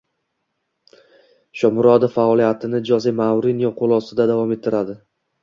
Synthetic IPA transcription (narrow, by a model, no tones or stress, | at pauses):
ʃɒmʊɾɒd̪afaɒlijat̪ʰɪnɪd͡ʒɒzimawɾɪnijɒqʰolˠɒsɪd̪ad̪avɒme̞t̪ʰːɪɾad̪ɪ